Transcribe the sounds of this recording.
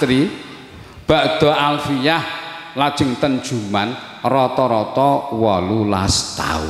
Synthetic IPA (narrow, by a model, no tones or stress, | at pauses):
ɾi | b̥a̤ʔd̪̥ɔ̤alfijahlad̥ʒ̥ɪ̤ŋt̪ənd̥ʒ̥ṳman | rɔt̪ɔɾɔt̪ɔwɔlulast̪a̰ṵ